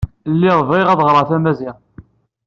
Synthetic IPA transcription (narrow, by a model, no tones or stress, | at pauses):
lːiɾˤviʁæðʁɾˤɑθæmæziʁ